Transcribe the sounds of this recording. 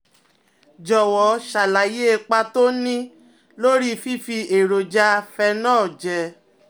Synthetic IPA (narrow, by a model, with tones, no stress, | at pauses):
d͡ʒɔ˨wɔ˨ʃa˨la˨je˦˧k͡pa˧to˦nĩ˦ | lo˦ɾi˦fi˦fi˧e˨ɾo˨d͡ʒa˧fɛ˧nãː˦˨d͡ʒɛ˧